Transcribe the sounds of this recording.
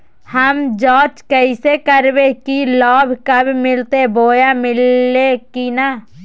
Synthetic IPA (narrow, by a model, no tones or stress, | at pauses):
həmd͡ʒɔːt͡ʃkəɪsekəɾbekilɔːbʱkəbmɪlt̪eboːjamɪlːekina